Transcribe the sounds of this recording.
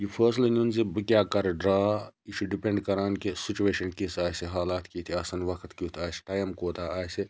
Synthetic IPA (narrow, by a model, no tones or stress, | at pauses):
jipʰɐːslinunzibɨkʲjaːkɐɾɖɾaːit͡ʃʰuɖipeɳɖkɐɾaːnkisit͡ʃueːʃɐnkisaːseɦaːlaːt̪kit̪ʰiɐsɐnʋɐkʰt̪kit̪ʰaːse̥ʈaːjmkoːt̪ʰaaːse